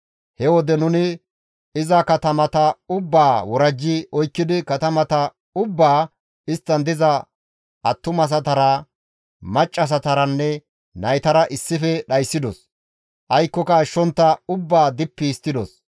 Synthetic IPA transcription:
hɛwɔd̪ɛnʊnɪ | ɪzɐkɐt̪ɐmɐt̪ɐʊbːaːwɔɾɐd͡ʒːɪʔɔjkːɪd̪ɪkɐt̪ɐmɐt̪ɐ | ʊbːaː | ɪst̪ːɐnd̪ɪzɐ | ʔɐt̪ːʊmɐs̬ɐt̪ɐɾɐ | mɐt͡ʃʼːɐs̬ɐt̪ɐɾɐnːɛ | nɐjt̪ɐɾɐʔɪsːɪfɛɗɐjsːɪd̪ɔ̰s | ʔɐjkːɔkɐːʃːɔnt̪ːɐʊbːaːd̪ɪpːiːst̪ːɪd̪ɔs

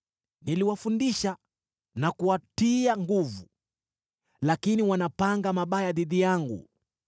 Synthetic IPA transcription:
niliwafundiʃa | nakuwatiaŋɡuvu | lakiniwanapaŋɡamaɓajaðiðijaŋɡṵ

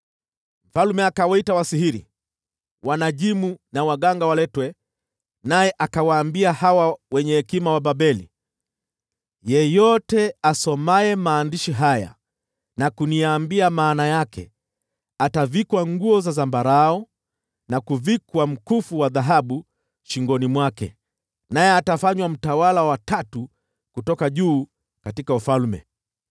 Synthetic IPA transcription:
m̩falumɛakawaitawasihiɾḭ | wanaʄimunawaɠaŋɡawalɛtwɛ | najɛʔakawaːmbiahawawɛɲɛhːkimawaɓaɓɛlḭ | jɛjɔtɛasɔmaɛmaːndiʃiɦaja̰ | nakuniaːmbiamaːnajakɛ̰ | atavikwaŋɡuɔzazambaɾaɔ | nakuvikwam̩kufuwaðaɦaɓu | ʃiŋɡɔnimwakɛ̰ | najɛatafaɲwam̩tawalawatatu | kutɔkaʄuː | katikaufalmɛ̰

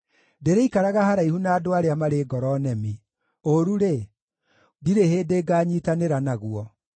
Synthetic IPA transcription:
deɾeikaɾaɣahaɾaihunaːdoaɾeamaɾeɡɔɾɔnɛmi | oɾuɾe | diɾeheːdeːɡaːɲiːtaneɾanaɣwɔ

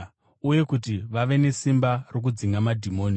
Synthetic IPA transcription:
uje̞kutiʋaʋe̞ne̞simbarok̬ud͡ziŋɡamadʱimo̞ːni

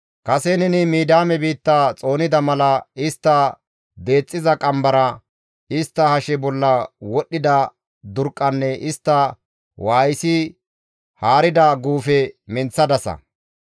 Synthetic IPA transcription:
kɐsɛnɛnɪmiːd̪aːmɛbiːt̪ːat͡sʼo̞ːnɪd̪ɐmɐlɐɪst̪ːɐ | d̪e̞ːt͡sʼːɪzɐkʼɐmbɐɾɐ | ɪst̪ːɐhɐʃɛbɔlːɐwɔɗːɪd̪ɐ | d̪ʊɾkʼːɐnːɛʔɪst̪ːɐ | waːjsɪ | haːɾɪd̪ɐɡuːfɛmɪnt͡sːɐd̪ɐsɐ̰

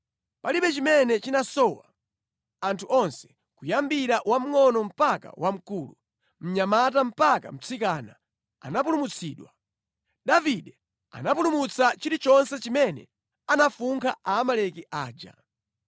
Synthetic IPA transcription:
paliɓɛt͡ʃimɛnɛt͡ʃinasɔwa̰ | antʰuɔnsɛ̥ | kujambiɾaʔwam̩ŋɔnɔm̩paka̰wam̩kuːlṵ | m̩ɲamatam̩paka̰m̩t͡sʰikana̰ | a̰napulumut͡sʰiːɗwa | ɗaviɗɛ | a̰nap̬ulumut͡sʰat͡ʃiɾit͡ʃɔnsɛt͡ʃimɛnɛ̰ | anafuŋkʰaaːmalɛkiʔaːd͡ʒa̰

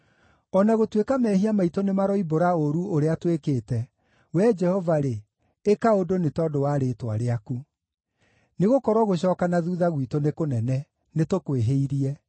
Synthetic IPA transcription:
ɔnaɣotwekamɛhiamaitonemaɾɔiboɾaoɾuoɾeatwekeːtɛ | wɛd͡ʒɛhɔvaɾe | ekaodonetɔːdowaɾeːtwa̰ɾeaku | neɣokɔɾwɔɣoɕ̬ɔːkanaðuːðaɣwitonekonɛnɛ | netokweɦeiɾiɛ

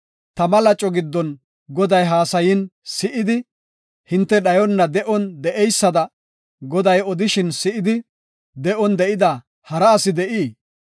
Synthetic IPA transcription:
t̪ɐmɐlɐt͡ʃʼːɔɡɪd̪ːɔn | ɡɔd̪ɐjɦaːsɐjɪnsɪʔɪd̪ɪ | hɪnt̪ːɛɗɐjɔnːɐd̪ɛʔɔnd̪ɛʔɛjsːɐd̪ɐ | ɡɔd̪ɐjɔd̪ɪʃɪnsɪʔɪd̪ɪ | d̪ɛʔɔnd̪ɛʔɪd̪ɐ | hɐɾɐːsɪd̪ɛʔiː

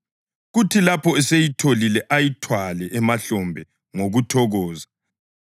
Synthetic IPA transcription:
ɣutʰilapʰɔɛsejitʰolilɛʔajitʰwalɛʔɛmaɬɔmbʱɛ | ŋoɣutʰɔɣɔːza

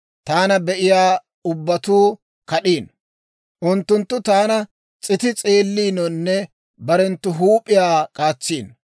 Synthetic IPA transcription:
t̪aːnɐbɛʔɪjaː | ʊbːɐt̪uː | kɐɗiːn | ʔʊnt̪ːʊnt̪ːʊt̪aːnɐ | t͡sʼɪt̪ɪt͡sʼeːlːiːnɔnːɛ | bɐɾɛnt̪ːʊɦuːpʼːɪjaːkʼaːt͡sːiːn

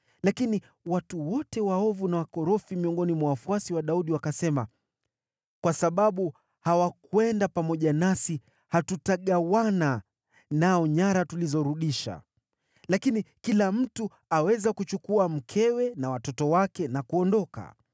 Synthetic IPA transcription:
lakini | watuwɔtɛwaɔvunawakɔɾɔfimiɔŋɡɔnimwawafuasiwaɗauɗiwakasɛma | kwasaɓaɓu | hawakwɛndapamɔʄanasi | hatutaɠawana | naɔɲaɾatulizɔɾuɗiʃa̰ | lakinikilam̩tu | awɛzakut͡ʃukuam̩kʰɛwɛnawatɔtɔwakɛnakuɔndɔka̰

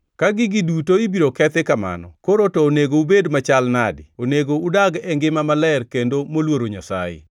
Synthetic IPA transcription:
kaɡɪɡɪdutoibiɾokɛt̪ɛkama̰nɔ̰koɾotoːneɡoubedmat͡ʃalnadɪoneɡoudaɡɛŋɡɪmamalɛrkendomolwoɾoɲasa̰jḛ

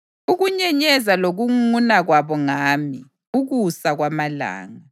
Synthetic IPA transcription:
uɣuɲɛɲɛzaloɣuŋunaɣwaβɔŋaːmi | uɣusaɣwamala̰ːŋa

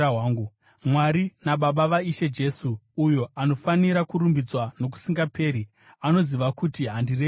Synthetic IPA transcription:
waːŋɡu | mwaɾinaɓaɓaʋaiʃe̞d͡ʒe̞suːjo̞ano̞faniɾakuɾumbid͡zwano̞k̬u̥siŋɡape̞ːɾi | ano̞ziʋakutiɦandire

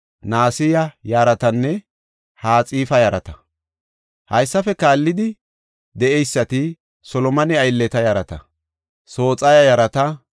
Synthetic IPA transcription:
naːsɪjɐjaːɾɐt̪ɐnːɛ | haːt͡sʼiːfɐjɐɾɐt̪ɐ | hɐjsːɐfɛkaːlːɪd̪ɪ | d̪ɛɛjsːɐt̪ɪ | sɔlɔmɐnɪɐjlːɛt̪ɐjaɾɐt̪ɐ | so̞ːt͡sʼɐjɐjɐɾɐt̪ɐ

